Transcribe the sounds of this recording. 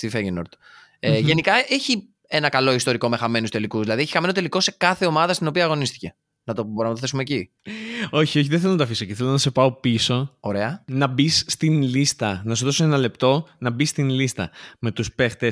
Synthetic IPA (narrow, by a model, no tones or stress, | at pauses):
st̪ifeʝinoɾt̪ | eʝe̞nikɐʔeçi | enɐkɐlo̞ist̪o̞ɾiko̞me̞xɐme̞nust̪e̞likuzðilɐðieçi̥xɐme̞not̪e̞liko̞se̞kɐθe̞o̞mɐðɐst̪ino̞piɐːɣo̞nist̪i̥ce̞ | nɐt̪obɾɐnɐt̪oθe̞sumeci | o̞çio̞ç̬iðeθelonɐt̪ɐfisoceθe̞lonɐse̞pɐo̞piso̞oɾe̞ɐnɐbisːt̪inlist̪ɐnɐsuðo̞soe̞nɐle̞pt̪o̞nɐbist̪inlist̪ɐ̰me̞t̪uspe̞xt̪es